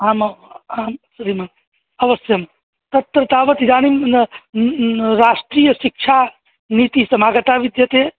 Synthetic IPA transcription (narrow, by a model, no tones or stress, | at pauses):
ɦamamsuɾiman | əʋəsjəme | t̪ət̪ɾət̪aːbət̪id̪anim | ɾasʈɾijəsik̚t͡ʃʰa | nit̪isɐmaɡət̪aʋid̪jɐt̪e